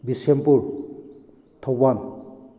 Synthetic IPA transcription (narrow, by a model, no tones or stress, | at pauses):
bisempuɾ | t̪ʰɔwan